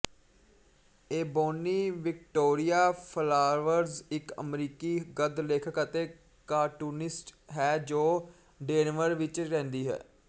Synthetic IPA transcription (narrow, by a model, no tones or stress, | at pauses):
eːboːniːʋɪk̚ʈoːɾɪjaːpʰəlaːɾʋəɾzɪkə̰mɾiːkiːɡəd̪leːkʰəkət̪eː | kaːʈuːnɪsʈɦɛːd͡ʒoː | ɖeːnʋəɾʋɪt͡ʃɾɛ̃ːnd̪iːɦɛ̰ː